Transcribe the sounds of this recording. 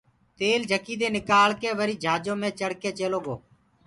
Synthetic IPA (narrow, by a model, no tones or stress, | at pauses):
t̪eːld͡ʒʱəkiːd̪eːnɪkaːlkeːʋəɾiːd͡ʒʱaːd͡ʒõːmẽːt͡ʃəɽkeːt͡ʃeːloːɡo̰ː